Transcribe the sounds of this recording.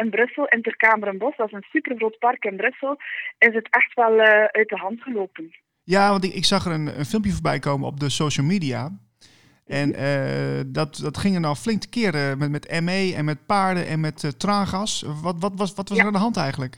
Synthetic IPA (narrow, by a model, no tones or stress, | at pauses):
ɪnbrøsəlˠɪntərkaːməɾənbɔsdɔsənsypərroːtpɑrkɪnbɾɵsəlˠɪsdətʰɛxtʋɛlˠœɥt̚dəɦɑntɣəloːpən | jaːʋɑntɪɪksɑxərənə̰nfɪlˠmpjəfoːɹbɛjkoːmənɔ̰p̚dəsoːʃəlˠmidia | ʔɛnədɔtdɔtxɪŋənɔflɪŋktə̥kɪərəmɛmɛtɛmeːɛnmɛt̚paːɹdənʔɛnmɛttraːxasɔtʋɔtʋɔʋɔtʋɔsərandəɦɑntɛjɣəntlək